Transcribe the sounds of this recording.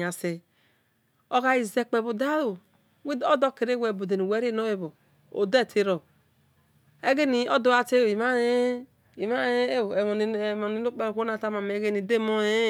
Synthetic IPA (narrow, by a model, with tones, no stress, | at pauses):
a˨se˨ | o˦ɣa˨i˨ze˨k͡pe˨bo˨da˦ɾo˨ | wo˦do˦ke˨ɾe˦we˨bo˨de˨ni˨we˨˦ɾe˦˨no˦e˨βo˨ | o̰˨de˦˨tʰe˦ɾo˨ | e˦ɡe˦ni˨o˦do˦a˨te˦˨i˨ma˦e˦ | i˨ma˦e˦˨mo˨ni˨˦o˦k͡pe˦ɾko˦na˨ta˦ma˨m˨˦ɡe˦ni˨de˦mo˦e˦